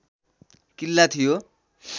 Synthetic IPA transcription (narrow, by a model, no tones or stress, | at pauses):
kilːat̪ʰijo